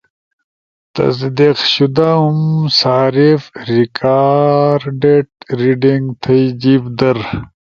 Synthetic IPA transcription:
t̪ɐ̰sd̪eqɕud̪aumsaːɾifɾikʰaːɾɖeʈ̚ɾiɖiŋɡt̪ʰɐjd͡ʑibd̪ɐɾ

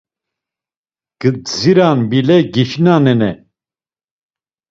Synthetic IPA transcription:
ɡ̥əd͡ziɾanbilɛɡiʃnanɛnɛ

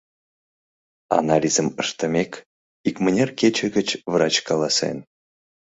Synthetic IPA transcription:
ɑ̰nɑlʲizəməʂt̪ə̆mʲek | ikmənʲerkʲet͡ɕəɡət͡ɕvɾɑt͡ɕkɑlˠɑsḛn

